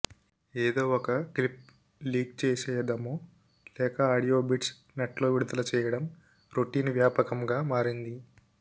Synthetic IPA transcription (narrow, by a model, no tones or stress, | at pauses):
eːd̪o̞ːɔkɐklip̚ | liːk̚t͡ʃɛːsɛːjɐd̪ɐmoː | lɛːkɐaːɽijo̞ːbiʈs | neʈlo̞ːʋiɽud̪ɐlɐt͡ʃɛːjɐɽɐm | ɾoʈːiːnʋjaːpɐkɐmɡaːmaːɾind̪i